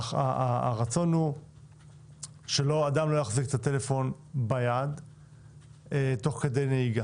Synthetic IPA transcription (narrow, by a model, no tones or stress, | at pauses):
aaʁat͡so̞nhu | ʃe̞lo̞adamlo̞jaχziket̪at̪e̞le̞fo̞n | bajad | eto̞χke̞dejneiɡa